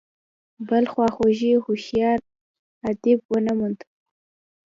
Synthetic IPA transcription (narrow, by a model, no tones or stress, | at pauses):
bəlxwɑxoʒihuʃjɑɾ | ad̪ɪbwənamund̪